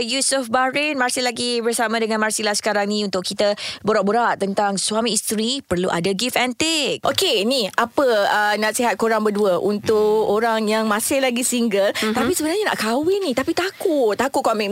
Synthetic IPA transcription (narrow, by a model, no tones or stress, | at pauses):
jusufbaɾɛnmarsɪlaɡibərsamãdəŋãnmarsilahsə̥kaɾaŋnĩunt̪ʊʔkʰit̪aboɾaʔboɾaʔt̪ənt̪aŋswamiːst̪ɾipərluʔa̰daɡifɛnt̪ɪk̚ʔokenĩapəənaʔsiɦat̪̚koɾaŋbəduəʔunt̪ʊʔoɾaŋjaŋmãsɪhlaɡisiŋɡəlt̪apisəbənarɲana̰ʔkawɪnit̪apit̪akʊt̪akʊt̪̚kɔmɛ̃n